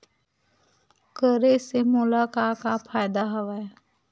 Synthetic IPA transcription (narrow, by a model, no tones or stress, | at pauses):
kəɾesemʊlaːkaːkapʰaːjd̪aɦəʋa